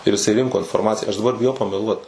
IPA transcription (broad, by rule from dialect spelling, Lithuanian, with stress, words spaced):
ɪr ɪˈsɐɪ ˈrʲɪŋkoː ɪnfoːrˈmɑːt͡sʲɪjæː ɐʃ dɐˈbɐr bʲɪˈjɛʊ pɐmʲɛˈlˠuɔt